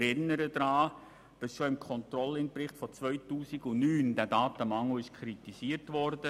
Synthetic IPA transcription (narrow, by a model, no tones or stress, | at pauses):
ɾɪnːəɾədɾɑː | b̥ɪsʃoɪmkʰɔntrɔlɪnprɪχtfɔt͡svœʏtuːsiɡʊnyːndæːdɑːtəmɑŋl̩ɪʃkʰɾitisiːəɾtvɔɾdə